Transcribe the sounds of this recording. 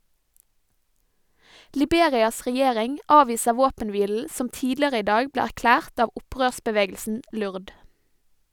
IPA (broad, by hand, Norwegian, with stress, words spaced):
lɪˈbeːɾɪɑs ʁɛˈjeːɾɪŋ ˈɑːʋiːsə ˈʋoːpənˌʋiːl̩ ˈsɔm ˈtiːdlɪəʁə ˈiː ˈdɑːɡ ˈbleː æʁˈklæːʁt ˈɑːʋ ˈʊˌpʁøːsbəˌʋeːɡəlsn̩ ˈlʉʁd